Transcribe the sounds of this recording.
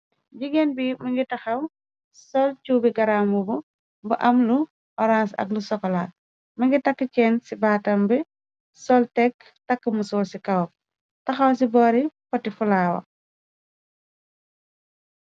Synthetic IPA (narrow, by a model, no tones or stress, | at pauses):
ɟiɡɛnbimɐŋɡitɐxɐw | sɔlt͡ʃubiɡɐɾaːmubu | buʔɐmlu | ʔɔɾansɐ̰klusɔkːɔla | mɐŋɡitɐkːəcɛːnsibaːtɐmbi | sɔltɛk | tɐkːəmusɔːlsikɐw̚ | tɐxɐws̬ibɔːɾipɔtːifulaːwɐ̰